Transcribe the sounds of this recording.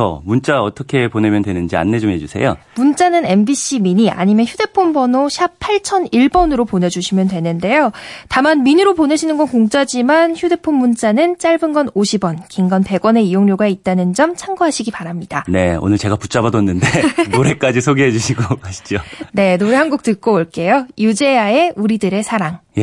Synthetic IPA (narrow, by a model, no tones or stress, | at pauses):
ʌ̰munt͡ɕ͈aʌt͈ʰʌkʰe̞pone̞mjʌndwe̞nɯnd͡ʑia̰nːe̞d͡ʑomɦed͡ʑusʰe̞̰jo̰munt͡ɕ͈anɯne̞nbiɕ͈ʰimiɲia̰ɲimjʌnçjude̞pʰombʌnoɕʰjapʰaɭt͡ɕʰʌniɭbʌnɯɾopone̞d͡ʑuɕʰimjʌndwe̞nɯnde̞jotamanminɯɾopone̞ɕʰinɯnɡʌnkoŋt͡ɕ͈ad͡ʑimançjude̞pʰonmunt͡ɕ͈anɯnt͡ɕ͈aɭbɯnɡʌnoɕʰibʌnkiŋɡʌnpe̞ɡwʌne̞ijoŋɲoɡait̚t͈anɯnd͡ʑʌmt͡ɕʰaŋɡoɦaɕʰiɡipaɾamɲidane̞o̰nɯɭt͡ɕe̞ɡaput͡ɕ͈abadʌnːɯndenoɾe̞k͈ad͡ʑisʰoɡiɦe̞d͡ʑuɕʰiɡokaɕʰi̥d͡ʑone̞noɾe̞ɦanɡuk̚t͈ɯk͈oːɭk͈e̞jojud͡ʑe̞ae̞uɾidɯɾe̞sʰaɾaŋje